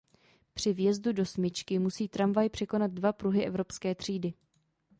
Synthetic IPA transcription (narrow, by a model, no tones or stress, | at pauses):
pr̝̥ɪvjɛzdudo̞smɪt͡ʃkɪmusiːt̪ɾamvajpr̝̥ɛko̞nat̪̚dvapɾuɦɪʔɛvɾo̞pskɛːt̪r̝̥iːdɪ